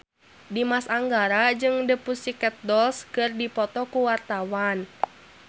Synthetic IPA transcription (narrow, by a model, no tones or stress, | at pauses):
dimasaŋɡaɾad͡ʒɨŋdəpusikɛt̪̚dɔlskɨrdipɔt̪ɔkuwart̪awan